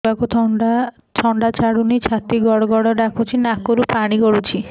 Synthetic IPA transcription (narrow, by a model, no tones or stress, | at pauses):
akut̪ʰɔɳɖa | t͡ʃʰɔɳɖat͡ʃaɽunit͡ʃʰat̪iɡɔɽɔɡɔɽɔɖakʰut͡ʃʰinakoɾupaɽ̃iɡɔɽut͡ʃʰi